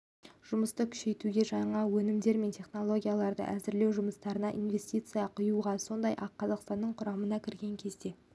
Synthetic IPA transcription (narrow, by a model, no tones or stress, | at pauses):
ʒ̥ʊməst̪əkʲʰʏ̥ʃe̞jt̪uɡʲe̞ʒɑɴɑwɵnɪmd̪e̞ɾme̞nt̪ʲʰe̞χno̞lˠo̞ɡʲijalˠɑɾd̪ə̰ʔæzɪɾle̞wʒʊməst̪ɑɾənɑʔinvʲe̞sʲt̪ʲit̪sɨjɑqʰʊjuʁɑso̞nd̪ɑjʔɑqːɑzɑqst̪ɑnːəɴqʰʊɾɑmənɑkʲʰɪɾɡʲe̞ŋkʲʰe̞zd̪e̞